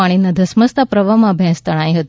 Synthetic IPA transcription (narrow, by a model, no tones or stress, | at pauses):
aɽ̃inad̪ʱɐsməst̪ʰapɾəʋamãbʱjɛ̃st̪əɽ̃ãjɦət̪